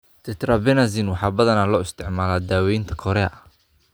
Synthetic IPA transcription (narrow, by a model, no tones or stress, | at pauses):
t̪ʰɛt̪ɾɐbɛnazinwɑħɑːbɐðɐnalɔːɪst̪ʰɪʕmaːlaːd̪aːwɛjnt̪ʰɐ̥kʰɔɾɛʔɐ